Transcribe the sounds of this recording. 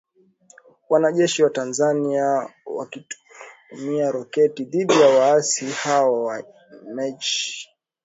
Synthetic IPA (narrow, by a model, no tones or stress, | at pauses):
wanaʄɛʃiwatanzaniawa̰ki | miaɾɔkɛtiðiɗijawaasihaɔwa | mɛt͡ʃ